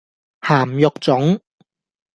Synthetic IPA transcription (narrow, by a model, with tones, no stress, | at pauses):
haː˨˩mjʊ˨k̚t͡sʊ˨˥ŋ